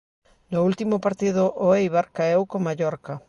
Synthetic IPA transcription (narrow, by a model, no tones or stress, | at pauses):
noult̪imopaɾt̪iðʊʔoejβaɾkaewkomaʎoɾka